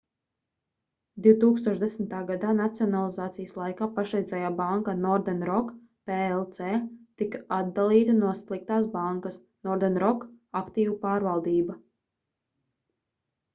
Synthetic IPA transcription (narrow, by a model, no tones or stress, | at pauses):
d̪iwt̪uːkst̪uɔʃd̪esmt̪aːɡad̪aːnat̪siɔnalˠizaːt̪sijəslˠajkaːpaʃɾɛjzʲɛjaːbaŋkanɔɾd̪ɛnɾɔk | peelˠt̪seːt̪ikad̪̚d̪alˠiːt̪anuɔslˠik̚t̪aːsbaŋkɐs | nɔɾd̪ɛnɾɔkakt̪iːvupaːɾvalˠd̪iːba